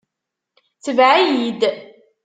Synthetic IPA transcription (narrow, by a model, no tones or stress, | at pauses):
t͡səvʕajid̪